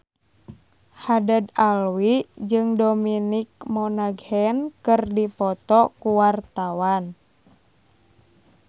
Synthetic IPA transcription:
hadəd̪alwid͡ʒɨŋdominik̚mɔnaɡhɛnkɨrdipɔt̪ɔkuwart̪awan

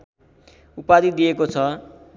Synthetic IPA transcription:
upad̪it̪̚d̪ijekot͡sʰʌ

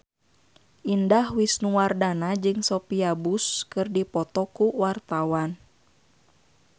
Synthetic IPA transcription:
ʔindahwisnuwardanad͡ʒɨŋsɔpiabuskɨrdipɔt̪ɔkuwart̪awan

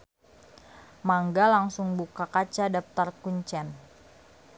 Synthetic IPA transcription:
maŋɡalaŋsʊŋbukakat͡ʃadap̚t̪arkuɲt͡ʃɛn

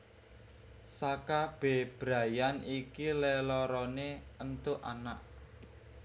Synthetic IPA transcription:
sakab̥e̤b̥ɾa̤janikilɛlɔɾɔneənt̪ʊʔa̰naʔ

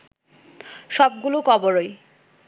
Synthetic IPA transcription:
ʃɔb̚ɡulokɔboɾoj

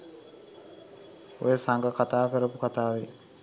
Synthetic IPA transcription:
o̰jəsaŋɡəkat̪aːkeɾəpukat̪aːʋe

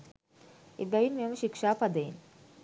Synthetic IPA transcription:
ḛbæjinmiɐməʃikʂaːpɐd̪əjḭn

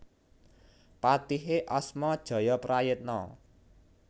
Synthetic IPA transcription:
pat̪iɦeʔɔsmɔd̥ʒ̥ɔ̤jɔpɾajɪt̪̚nɔ̰

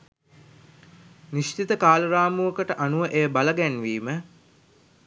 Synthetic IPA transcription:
niʃt͡ʃit̪əkaːləɾaːmuʋəkəʈəʔanuʋəʔejəbaləɡænʋiːmə

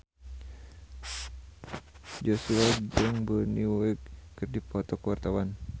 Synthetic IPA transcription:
d͡ʒosuad͡ʒəŋbəniwɛkːɨrdipɔt̪ɔkəwart̪awan

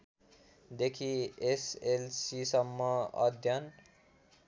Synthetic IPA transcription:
d̪ekʰieselsisʌmːʌʌ̰d̪ʱjʌn

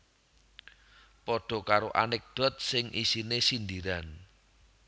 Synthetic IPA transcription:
pɔɖ̥ɔ̤kaɾoʔanɪk̚d̪̥ɔ̤t̪̚sɪŋʔisinesind̪iɾan

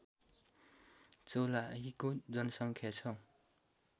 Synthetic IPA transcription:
t͡solaɦikod͡zʌnʌsʌŋkʰjat͡sʰʌ

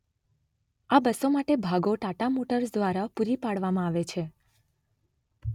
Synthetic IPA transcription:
abəsomaʈebʱaɡoʈaʈamoʈəɾsd̪ʋaɾapuɾipaɽʋamãaʋet͡ʃʰe

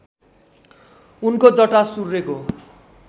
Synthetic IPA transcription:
unkod͡zʌʈasurːeko

